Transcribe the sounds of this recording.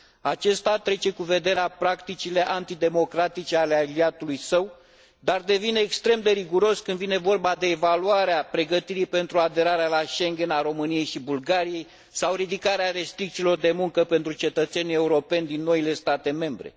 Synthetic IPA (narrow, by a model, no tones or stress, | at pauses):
at͡ʃe̞st̪at̪ɾe̞t͡ʃe̞kuve̞d̪e̞ɾeapɾakt̪it͡ʃile̞ʔant̪id̪e̞mo̞kɾat̪it͡ʃe̞alealiat̪ulujsəw | d̪ard̪e̞vine̞ːkst̪ɾe̞md̪e̞ɾiɡuɾo̞skɨnd̪vine̞vo̞rbad̪e̞ːvaluaɾeapɾe̞ɡət̪iɾipe̞nt̪ɾuad̪e̞ɾaɾealaʃe̞ŋɡʲe̞naɾo̞mɨnije̞jʃibulɡaɾije̞j | sawɾid̪ikaɾeaɾe̞st̪ɾik̚t̪silo̞rd̪e̞muŋkəpe̞nt̪ɾut͡ʃe̞t̪ət̪senie̞uɾo̞pe̞nʲd̪inːo̞ile̞st̪at̪e̞me̞mbɾe̞̰